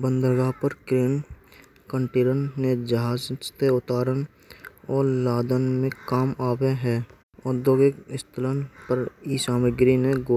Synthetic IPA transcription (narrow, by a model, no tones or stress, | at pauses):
bə̃nd̪əɾɡapəɾkɾeːn | kə̃ɳʈeːɾənːẽd͡ʒəɦaːd͡ʒt̪eʊt̪aːɾən | ɔːɾlaːd̪ənmẽkaːmaːweɦɛː | ʊd̪joɡɪkɪst̪ələnpəɾiːsaːmɪɡɾinẽɡoː